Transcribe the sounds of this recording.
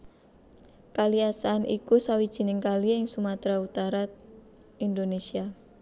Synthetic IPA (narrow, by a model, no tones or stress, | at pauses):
kaliasaːnʔḭkusawid̥ʒ̥i̤nɪŋkaliɪŋsumat̪ɾaut̪aɾa | indonesia